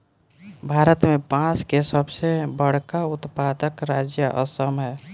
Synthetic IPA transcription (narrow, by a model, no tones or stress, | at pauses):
bʱaːɾət̪mepãt͡ʃkesəbsebəɽ̤kaut̪pad̪əkɾad͡ʒjəʔə̰səmɦɛː